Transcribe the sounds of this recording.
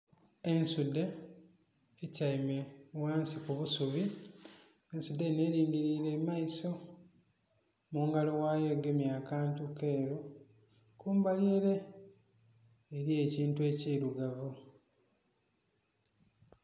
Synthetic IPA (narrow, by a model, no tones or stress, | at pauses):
e̞nsudːe | caimewaːnsikuβusuβi | ensudːene̞ːɾiːŋɡiɾiɾe̞mːaiso̞ | muŋɡalo̞waːjo̞ɡe̞mjaːkaːntukeːɾo | kuːmbaliɾe̞ | ɾie̞ːciːntue̞ːciːɾuɡavu